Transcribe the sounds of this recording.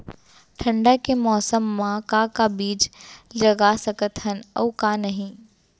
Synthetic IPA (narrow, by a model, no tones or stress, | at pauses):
ʈʰɐ̃ɳɖakemɔːsəmːãkakabiːd͡ʒlɐɡasɐkət̪ɦənɔ̰ːkanɐɦĩ